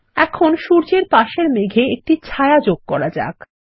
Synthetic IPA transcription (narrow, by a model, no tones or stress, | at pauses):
ɛkʰonʃuɾd͡ʑeɾpaʃeɾmeɡʱeek̚ʈit͡ɕʰaead͡ʑoɡ̚kɔɾad͡ʑa̰k